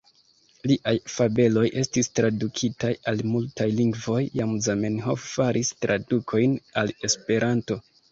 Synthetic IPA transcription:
liʔajfabe̞lo̞jʔe̞stistɾadukʰitajalmultajliŋɡvo̞jːamzamenhofːaɾʔistɾʔadukʰo̞jnale̞spe̞ɾʔanto̞

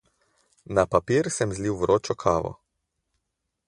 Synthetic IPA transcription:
napapiːɾsɛmzliwʋɾoːt͡ʃɔkʰaːʋɔ̰

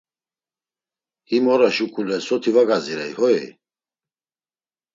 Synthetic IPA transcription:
himɔɾaʃukʰʼulɛsɔt̪ʰivaɡaziɾajhɔɛ̰

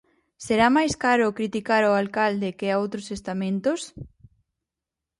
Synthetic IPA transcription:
seɾamajskaɾʊkɾit̪ikaɾoalkald̪ekɪaowt̪ɾosest̪amẽnt̪ʊs

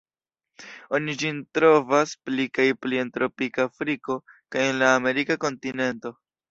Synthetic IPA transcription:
o̞nid͡ʒintɾo̞vasplikajplie̞ntɾo̞pikaːfɾiko̞kaje̞nlaːme̞ɾikako̞ntine̞nto̞

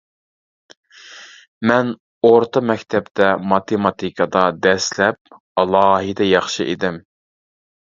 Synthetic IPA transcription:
mɛn | oɾt̪ʰɑmɛkʲt̪ʰɛpt̪ʰɛmɑt̪ʰemɑt̪ʰikʰɑd̪ɑd̪ɛslɛp̚ | ɑlˠɑːɦɨd̪ɛjɑχʃɨʔḛd̪ɪm

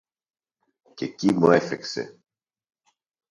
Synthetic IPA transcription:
ce̞cimuefekse̞̰

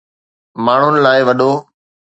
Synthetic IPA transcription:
maːɳ̤ʊnɪ̆laːɪʋɐɗoː

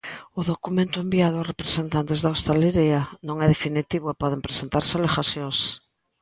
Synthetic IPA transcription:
ʊðokumẽnt̪ʊembiaðʊasrepɾesent̪ant̪ezðawst̪aleɾianõŋɛðefinit̪iβʊepɔðempɾesent̪aɾsalexasjõŋs

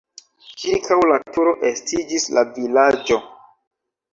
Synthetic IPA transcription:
kiɾkʰawlatuɾo̞ʔestid͡ʒislavilad͡ʒo̞

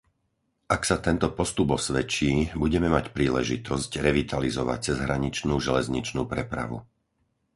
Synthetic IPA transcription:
ʔaksat̪ɛnt̪ɔpɔst̪ubɔsʋɛt͡ʃiːbuɟɛmɛmacpɾiːlɛʒit̪ʰɔsɟɾɛʋit̪ʰalizɔʋa̰c̚t͡sɛzɦɾaɲit͡ʃnuːʒɛlɛzɲit͡ʃnuːpɾɛpɾa̰ʋṵ

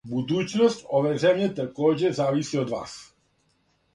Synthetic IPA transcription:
bud̪uːt͡ʃnɔscɔʋɛːzɛmɲɛt̪əkɔːd͡ʒɛzaːʋisiːɔd̪ʋa̰ːs

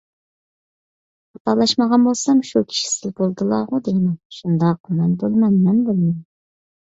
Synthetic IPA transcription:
ɑt̪ɑlˠɑʃmɑʁɑnbolˠsɑmʃukʲʰi̥ʃi̥sɪzbolˠd̪ɨlˠɑʁud̪ejmɛʃund̪ɑq̚mɑnbolˠmɛnmɛnbɪlmɛn

